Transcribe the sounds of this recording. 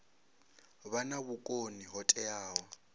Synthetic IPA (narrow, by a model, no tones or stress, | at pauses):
βanaβʊkʼoniɦɔtʼɛaːwɔ